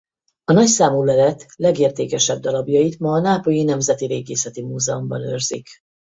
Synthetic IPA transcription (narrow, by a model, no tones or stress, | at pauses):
ɒnɒcsaːmuːlɛlɛt̪lɛɡeːrt̪eːkɛʃɛb̚d̪ɒlɒbjɒjit̪mɒːnaːpojinɛmzɛt̪iɾeːɡeːsɛt̪imuːzɛombɒnø̰rzḭk